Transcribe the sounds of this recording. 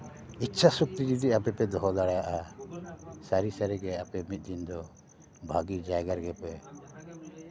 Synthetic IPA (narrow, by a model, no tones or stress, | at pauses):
it̪ːt͡ʃʰasuk̚t̪iɾid̪iapɛpɛd̪ɔɦɔlaɽajaʔa | saɾisaɾɛɡɛapɛmit̪̚ˀd̪ind̪ɔ | bʱaɡid͡ʒajɡaɾɡɛpɛ